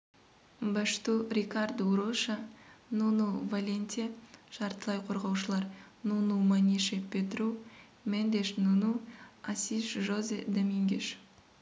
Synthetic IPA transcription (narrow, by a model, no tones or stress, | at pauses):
baʃt̪uɾʲikard̪ɾuʃanunuvalʲenʲt̪ʲeʃɑɾt̪əlˠɑjqʰo̞ɾʁɑwʃəlˠɑɾ | nunumanʲiʃepʲet̪ru | mend̪eʃnunuasʲiʃʒozed̪amʲiŋɡʲeʃ